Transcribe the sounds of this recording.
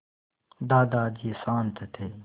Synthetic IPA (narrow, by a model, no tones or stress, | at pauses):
d̪aːd̪aːd͡ʒiːsaːnt̪ʰɐt̪ʰeː